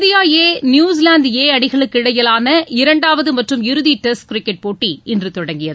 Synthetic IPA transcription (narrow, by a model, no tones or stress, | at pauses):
ðɪjaːjeːnjuːsɪlaːnd̪jeːɐɽɪɣɐɭɯkːɪɽɐjɪlaːnɐɪɾɐɳɖaːʋɐðɯmɐʈrɯmɪɾɯðiʈɛskɾɪkːɛʈ̚poːʈːiɪndrɯt̪ɔɽɐŋɡɪjɐðɯ